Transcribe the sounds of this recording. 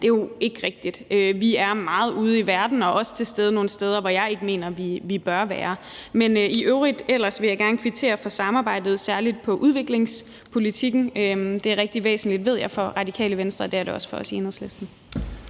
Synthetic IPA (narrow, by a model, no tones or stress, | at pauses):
d̥e̝jo̝e̝ɡ̥əʁɛɡ̥̚d̥id̥øʋiæɐmɑ̈ːð̞̩ˠuːð̞ˠiʋæɐd̥n̩ɒ̽ʔɒ̽st͡sʰe̝lsd̥eːð̞ˠəno̝ːn̩sd̥eːð̞ˠɐʋɒjɑ̈ɪe̝ɡ̥əme̝̰ːnɐʋiʋib̥ɶɐʋæːɐmeniʔøʊʁid̥el̰ɐsʋe̝jɑ̈ɪɡ̥æɐnəkʰʋit͡sʰe̝̰ːɐfɒ̽sɑ̈mɑ̈ːbɑ̈ɪ̰d̥ð̞̩ˠsæɐlid̥̚pʰɒ̽ʔuð̞ˠʋe̝ɡ̥le̝ŋs | pʰo̝lit͡sʰiɡ̥n̩ød̥e̝æɐʁɛɡ̥̚d̥iʋḛːsn̩lid̥ʋe̝ð̰ˠjɑ̈ɪfɒ̽ʁɑ̈dikʰɛ̰ːləʋensd̥ʁɐd̥eæɐɾ̥e̝ɒ̽sə̥fɒ̽ɒ̽sienhəð̩ˠslesd̥n̩